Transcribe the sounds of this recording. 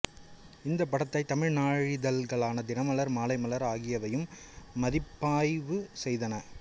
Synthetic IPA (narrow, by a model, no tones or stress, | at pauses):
ɪnd̪ɐpːɐɽɐt̪ːɐɪt̪ːɐmɪɻnaːɻɪðɐlɣɐɭaːnɐd̪ɪnɐmɐlɐɾmaːlɐɪmɐlɐɾaːɣɪjɐʋɐjɯmː | ɐðɪpːaːjʋɯsɛjðɐnɐ